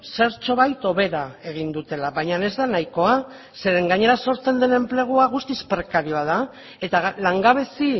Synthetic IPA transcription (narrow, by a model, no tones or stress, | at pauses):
se̞ɾt͡ʃo̞βajt̪o̞βe̞ɾae̞ɣ̞ind̪ut̪e̞laβajɲane̞zd̪anajko̞a | se̞ɾe̞ŋɡaɲe̞ɾaso̞ɾt͡se̞nd̪e̞ne̞mple̞ɣ̞uaɣ̞ust̪ispɾe̞kaɾio̞að̞a | e̞t̪alaŋɡaβ̞e̞si